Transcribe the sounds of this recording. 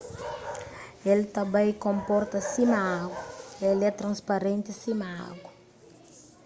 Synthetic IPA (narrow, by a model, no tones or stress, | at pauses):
elt̪ɐbãjkõmpɔɾt̪ɐsimaaɡwɐelɛt̪ɾɐ̃nspaɾẽnt̪isimaa̰ɡɐ